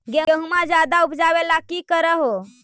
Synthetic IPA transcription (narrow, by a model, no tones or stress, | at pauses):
ɡeeɦumad͡ʒad̪aupd͡ʒaʋelakiːkəɾəɦo